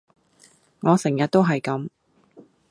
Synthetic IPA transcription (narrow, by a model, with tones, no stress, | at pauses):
ŋɔː˨˧sɪ˨˩ŋjɐ˨t̚t̪o˥wɦɐ˨jkɐ˨˥m